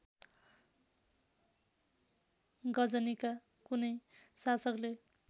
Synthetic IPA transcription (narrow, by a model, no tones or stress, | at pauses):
ɡʌd͡zʌnika | kunʌjsasʌkle